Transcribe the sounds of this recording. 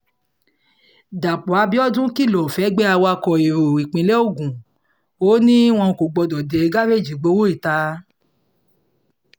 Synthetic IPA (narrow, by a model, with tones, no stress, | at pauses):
da˨k͡pɔ˨a˨˧˦bi˦ɔ˦dũ˦ki˦˨lɔ˨fɛ˨˦ɡ͡bɛ˦a˧wa˧kɔ˨i˨ɾo˨i˨k͡pĩ˨˦lɛ˦o˦˨ɡũ˨ | o˨˦nĩ˦w̃ɔ̃˧˨ko˨ɡ͡bɔ˨˧dɔ˨de˨˧ɡa˦ɾe˦˨d͡ʒi˨ɡ͡bo˨˧˦wo˦i˦˨ta˧˦